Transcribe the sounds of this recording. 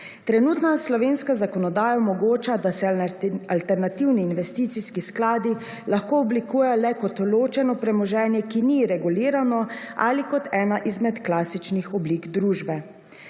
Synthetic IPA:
t̪ɾɛnuːt̪naslɔʋeːnskazakɔnɔd̪aːjaɔmɔɡoːt͡ʃad̪asɛalt̪ɛɾnat̪iwniːnʋɛst̪iːt̪siskisklaːd̪i | laxkoːɔblikuːjɛlɛkɔt̪loːt͡ʃɛnɔpɾɛmɔʒɛːnjɛkiniɾɛɡuliːɾanɔa̰likɔt̪ɛːnaʔizmɛt̪klaːsit͡ʃnixɔbliːɡd̪ɾuːʒbɛ

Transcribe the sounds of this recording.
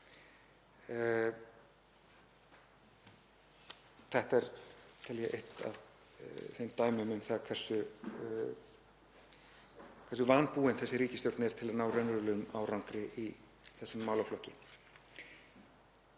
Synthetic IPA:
θɛht̪aɛɾt̪ʰɛljɛʔḛht̪a̰ð | θejmt̪aːjmʏmʏmθakʰvɛɾ̥sʏ | kʰɛɾs̬ʏvanpuːɪnθɛsːɪɾiːcɪst̪jowɾt̪nɛɾ̥t̪ʰɪlaðnaːwrœnʏɾlʏma̰wɾawnkɾɪʔi | θɛsːʏmːawlawflɔhcɪ

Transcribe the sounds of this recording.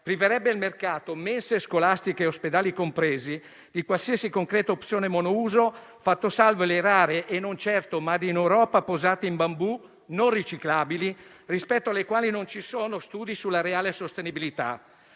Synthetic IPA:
pɾiveɾɛbːeilmerkaːt̪omɛnseskolast̪ikeːosped̪aːlikompɾɛːzi | d̪ikwalsiasikoŋkɾɛːt̪oopt̪sjoːnemonouːzo | fat̪ːosalveleɾaːɾeʔenːont͡ʃɛrt̪omad̪inewɾɔːpapozaːt̪iimbambu | norːit͡ʃiklaːbili | rispɛt̪ːoalːekwaːlinont͡ʃisoːnost̪uːd̪isulːaɾeaːlesost̪enibilit̪a̰

